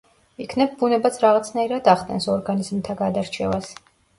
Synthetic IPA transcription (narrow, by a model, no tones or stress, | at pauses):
ikʰnɛb̚bunɛbat̪sʰɾaʁat̪sʰnaiɾad̪aχd̪ʰʼɛ̰nsɔɾɡaniz̥mt̪ʰaɡad̪aɾt͡ʃʰɛvas